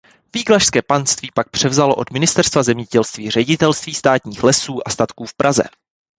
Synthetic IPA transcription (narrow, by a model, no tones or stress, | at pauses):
viːɡlaʃskɛːpanst̪viːpak̚pr̝̥ɛvzalo̞ʔo̞dmɪnɪst̪ɛɾst̪vazɛmɲɛɟɛlst̪viːr̝ɛɟɪt̪ɛlst̪viːst̪aːt̪ɲiːxlɛsuːʔast̪at̪kuːfpɾʔazɛ̰